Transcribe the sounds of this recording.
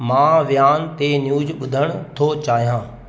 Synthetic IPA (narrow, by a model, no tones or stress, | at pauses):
mãːʋjaːnt̪enjuːzɓʊd̪ʱəɽ̃t̪ʰot͡ɕaːɦijãː